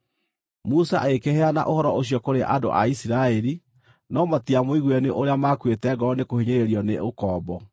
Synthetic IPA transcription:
musaʔekehɛana̰ʔohɔɾɔoɕjɔkoɾeʔado̰ʔa̰isiɾaɛɾi | nɔmatiamoiɣwɛneʔoɾeamakwetɛɡɔɔnekoheɲeɾeɾiɔneʔokɔːbɔ

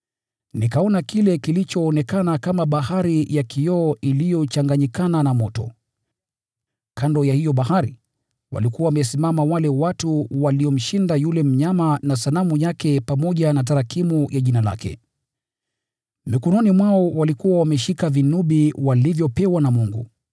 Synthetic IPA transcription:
nikaɔnakilɛkilit͡ʃɔːnɛkanakamaɓaɦaɾijakʰijɔːʔilijɔt͡ʃaŋɡaɲikananamɔtɔ̰ | kʰandɔjahijɔɓahaɾḭ | wa̰likuwawamɛsimamawalɛwatuwaliɔm̩ʃindajulɛm̩ɲamanas̬anamujakɛpamɔʄanat̬aɾakimujʔaʄinala̰kʰɛ̰ | mikɔnɔnimwaɔwalikuwawamɛʃikavinuɓiwalivjɔpɛwanamuŋɡṵ

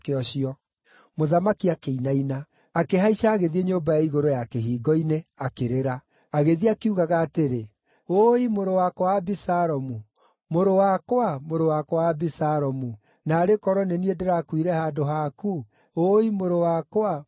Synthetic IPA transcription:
keɔɕiɔ | moðamakiakeinaina | akeɦaiʃaːɣeðieɲoːbajaiɣoɾojakeɦiːɡɔineakeɾeɾaː | ɣeðiakiuɣaɣaːteɾe | oimoɾowakwaːbisaɾɔmu | moɾowakwamoɾowakwabisaɾɔmu | naːɾekɔɾɔneniedeɾaːkwiɾɛhadoɦaku | oimoɾowakwa

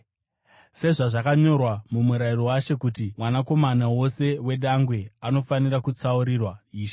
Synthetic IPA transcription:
se̞ʐaʐakaɲo̞rwamumuɾairowaʃe̞kutimwanako̞manawo̞se̞we̞ɗaŋɡwe̞ano̞fanirakut͡sauɾirwaiːʃa

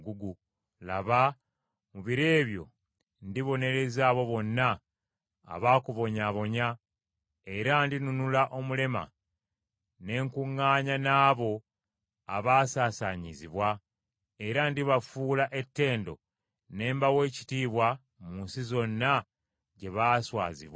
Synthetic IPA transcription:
ɡuɡu | laβa | muβiɾe̞ːβjo̞̰ | ndiβo̞ne̞ɾe̞zaːβo̞βo̞nːa̰ː | βaːkuβo̞ɲaβo̞ɲa | e̞ɾandinunulaʔo̞mule̞ma̰ | ne̞ːŋkuŋːaːɲanaːβo̞ | a̰βaːsaːsaɲiziβwa | e̞ɾandiβafuːlaʔe̞tːe̞ːndo̞̰ | ne̞ːmbawe̞ːci̥tiːβwa | munsizo̞nːa | ɟe̞βaːswa̰ːzḭβwa

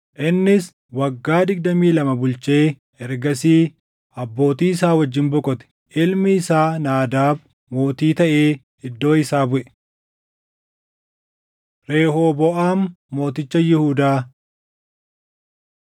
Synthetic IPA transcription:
ʔɪnːɪs | wɐɡːaːd̪ɪɡ̚d̪ɐmiːlɐmɐbʊlt͡ʃe̞ː | ɛɾɡɐsiː | ɐbːo̞ːt̪iːɪsaːwɐd͡ʒːɪnbɔkʼɔt̪ɛ̥ | ʔɪlmɪːsaːnaːd̪aːb | mo̞ːt̪iːt̪ɐʔeː | ɪd̪ːo̞ːɪsaːbʊʔɛ̥ | ɾe̞ːɦo̞ːbɔʔaːnː | o̞ːt̪ɪt͡ʃːɐjɪhuːd̪aː

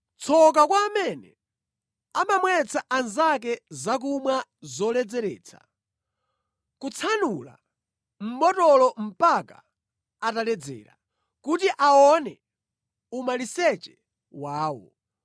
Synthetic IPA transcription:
t͡sʰɔk̬akwaːmɛnɛ | amamwɛt͡sʰaʔanzak̬ɛzak̬umwazɔlɛd͡zɛɾɛ̰ːt͡sʰa̰ | kut͡sʰanula̰ | m̩bɔtɔlɔm̩paka | atalɛd͡zɛ̰ɾa̰ | kutiʔaɔnɛ | umalisɛt͡ʃɛ̥ | waːwɔ̰

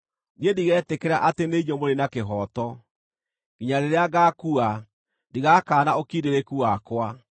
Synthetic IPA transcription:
niediɣɛːtekeɾaʔateneiɲomoɾenakeɦɔːtɔ | ɣiɲaɾeɾeaɣakua | ndiɣakaːnaokiːdeɾekuakwa

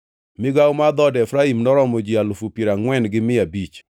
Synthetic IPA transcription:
mɪɡawmad̪ɔdɛfɾaimnɔɾɔmɔd͡ʒialofupiɾaŋwɛnɡɪmɪabit͡ʃ

